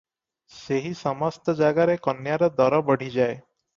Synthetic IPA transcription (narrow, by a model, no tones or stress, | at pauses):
seɦisɔmɔst̪ɔd͡ʒaɡaɾekɔnjaɾɔd̪ɔɾɔbəɽ̤ʱid͡ʒae